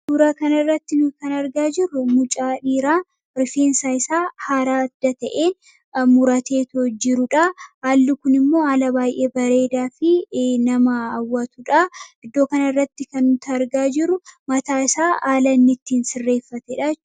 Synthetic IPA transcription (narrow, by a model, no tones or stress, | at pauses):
d̪uːɾaːkɐnɐrːɐt̪ːɪnʊkɐnɐɾɡaːd͡ʒɪɾʊmʊt͡ʃʼaːᶑiːɾaː | ɾɪfeːnsaːɪsaːhaːɾaːɐd̪̥ːɐt̪ɐʔeː | mʊɾɐt̪e̞ːt̪ɔd͡ʒɪɾʊᶑɐaːlːʊkʊnɪmːo̞ːɐlɐbaːjʔeːbɐɾe̞ːd̪aːfɪnɐmɐːwːɐt̪ʊᶑɐɪd̪ːo̞ːkɐnɐrːɐt̪ːɪkɐnʊnt̪ɐːɾɡaːd͡ʒɪɾʊmɐt̪aːɪsaːaːlɐnːɪt̪ːiːnsɪrːe̞ːfːɐt̪ɛᶑa